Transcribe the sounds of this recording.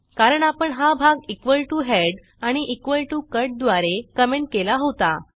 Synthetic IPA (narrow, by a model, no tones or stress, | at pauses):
kaɾəɳapəɳɦabʱaɡikʋəlʈuɦeɽ | aɽ̃iʔikʋəlʈukəɾʈ̚d̪ʋaɾekəmeɳʈ̚kelaɦot̪a